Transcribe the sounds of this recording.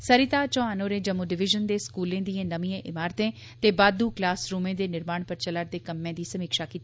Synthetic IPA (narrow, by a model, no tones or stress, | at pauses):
səɾɪt̪aːt͡ʃɔ̃ːaːnoːɾẽːd͡ʒəmːuːɖɪʋɪʒənd̪eːskuːlẽːd̪iːẽːnəmĩẽːʔɪmaːɾt̪ẽː | t̪eːbaːd̪uːklaːsɾuːmẽːd̪eːnɪɾmaːɳpəɾt͡ʃələɾd̪eːkəmːẽːd̪iːsəmɪkʃaːkiːt̪i